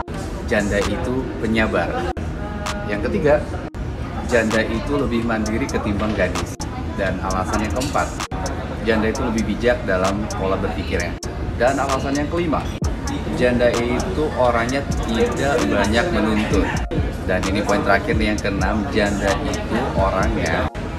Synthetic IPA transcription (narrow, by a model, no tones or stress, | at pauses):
d͡ʒandait̪upəɲabar | jaŋkət̪iɡa | d͡ʒandaʔit̪uləbɪhmandiɾikət̪imbaŋɡadɪs | dana̰lasanjaŋkəmpat̪̚ | d͡ʒandait̪uləbɪhbid͡ʒak̚dalamkolabərfikɪrɲa | danalasanjaŋkəlima̰ | d͡ʒandait̪uʔoɾaŋɲat̪idaʔbaɲak̚mənunt̪ʊn | daninipoɪnt̪əɾakɪrnjaŋkənamd͡ʒandaʔit̪uʔoɾaŋɲa